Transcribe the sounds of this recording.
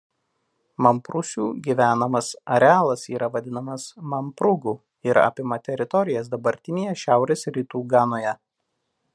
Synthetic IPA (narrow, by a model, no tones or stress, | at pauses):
mɐmpɾʊsʲuːɡʲiʋʲæːnɐmɐsɐɾʲɛɑːlˠɐsiːɾɐʋɐd̪ʲɪnɐmɐsmɐmpɾʊɡuː | ɪɾɐ̰pʲɪmɐt̪ʲɛɾʲɪt̪ɔɾʲɪjɛs̬d̪ɐbɐɾʲt̪ʲɪnʲeːjɛʃʲæˑʊɾʲeːsɾʲit̪uːɡɑːnoːjɛ